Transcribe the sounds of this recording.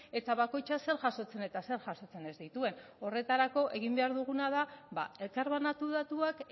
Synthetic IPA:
e̞t̪aβ̞ako̞jt͡ʃase̞ɾʝaso̞t͡se̞ne̞t̪ase̞ɾʝaso̞t͡se̞ne̞zd̪it̪ue̞no̞re̞t̪aɾako̞ʔe̞ɣ̞imbe̞aɾðuɣ̞unað̞aβa̰e̞lkaɾβanat̪uð̞at̪uak

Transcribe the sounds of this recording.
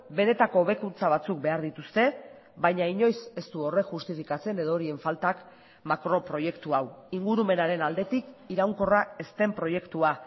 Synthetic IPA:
be̞ne̞t̪ako̞ːβ̞e̞kunt͡saβat͡suk̚be̞aɾðit̪ust̪e̞ | βajɲaiɲo̞jse̞st̪uo̞re̞ʝust̪ifikat͡se̞ne̞ð̞o̞ɾie̞ɱfalt̪ak | makɾo̞pɾo̞je̞kt̪uawiŋɡuɾume̞naɾe̞nald̪e̞t̪ikiɾawŋko̞rae̞st̪e̞mpɾo̞je̞kt̪ua

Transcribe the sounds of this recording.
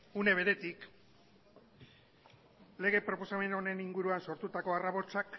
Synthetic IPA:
une̞β̞e̞ɾe̞t̪ik | le̞ɣ̞e̞pɾo̞po̞same̞no̞ne̞niŋɡuɾuanso̞ɾt̪ut̪ako̞araβo̞t͡ʃak

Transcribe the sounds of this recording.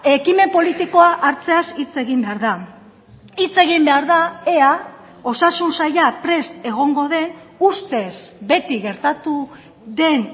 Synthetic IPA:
e̞kime̞po̞lit̪iko̞aʔaɾt͡se̞asit͡se̞ɣimbe̞aɾða | it͡se̞ɣ̞imbe̞aɾðae̞a | o̞sasunsajapɾe̞st̪e̞ɣ̞o̞ŋɡo̞ðe̞n | ust̪e̞zbe̞t̪iɣe̞ɾt̪at̪u | ðe̞n

